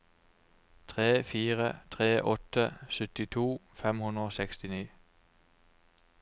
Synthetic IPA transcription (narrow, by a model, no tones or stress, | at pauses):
t̪ʰʁeːfiːʁə̰t̪ʰʁeːʔɔt̪əsʏt̪ɪt̪ʰuːfɛmhʉnʁoːsɛkst̪ɪniː